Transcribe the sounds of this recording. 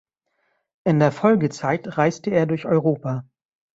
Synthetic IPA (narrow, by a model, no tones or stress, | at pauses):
ʔɪndeːɐfɔlɡət͡saɪtʁaɪstəeːɐdʊɐçɔʏʁoːpa